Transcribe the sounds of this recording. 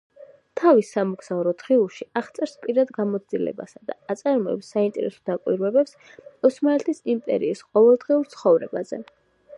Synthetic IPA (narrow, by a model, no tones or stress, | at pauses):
t̪ʰavisːamɔkʰsavɾɔt̪ʰχiuʃiaʁt̪sʼɛɾspʼiɾad̪ɡamɔt̪sd̪ilɛ̰ba̰sad̪a̰at̪sʼaɾmɔɛ̰psːaint̪ʼɛ̰ɾɛ̰sɔ̥d̪akʼwḭɾwɛbɛps | ɔsmaɛt̪ʰisimpʼɛ̰ɾiːsqʼɔvɛlˠd̪ʁiuɾt̪sʰχɔvɾɛbazɛ̰